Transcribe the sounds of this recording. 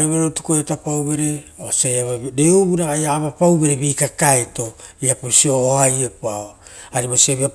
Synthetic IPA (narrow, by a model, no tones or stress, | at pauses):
ɾoβeɾowtu̥kojotapawβe̞ɾeoseβɾeoβuɾaajaβapawbe̞ɾebiːkakaeto̞iaposioːhajepuao | aɾimosiaβea